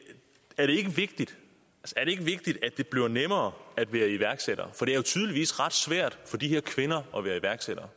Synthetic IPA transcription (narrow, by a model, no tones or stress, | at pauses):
æɐɾ̥e̝e̝ɡ̥əʋe̝ɡ̥̚d̥id̥ | ælsɐæɐɾ̥e̝e̝ɡ̥əʋe̝ɡ̥̚d̥id̥æd̥e̝b̥liɐɐnemɐːæd̥ʋæːɐiʋæɐɡ̥seɾ̥ɐfɒ̽d̥e̝æɐjo̝t͡sʰyːð̞ˠliʋḭːsʁɑ̈d̥sʋæɐ̰d̥fɒ̽d̥iheɐ̰kʰʋe̝nɐʔɒ̽ʋæːɐiʋæɐɡ̥seɾ̥ɐ